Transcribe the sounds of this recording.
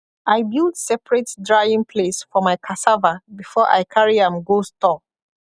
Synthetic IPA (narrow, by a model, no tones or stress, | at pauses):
ʔaɪbilˠdsɛpɹɛtdɹaɪĩŋpʰlesfɔmaɪkʰasavabifɔʔa̰ɪkʰaɹiãmɡostɔ